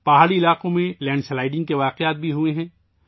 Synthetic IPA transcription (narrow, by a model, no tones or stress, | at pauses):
pɐɦaːɽiɪlaːqõmẽlɛ̃ːɳɖslaːɪɖɪ̃ŋɡ̚keʋaːqejaːt̪̚bʱiɦueɦɛ̃ː